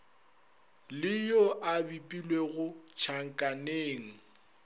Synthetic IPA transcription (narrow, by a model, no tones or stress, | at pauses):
lɪjoʔabipʼilweɣʊt͡ʃʰaŋ̩kʼaneːŋ̩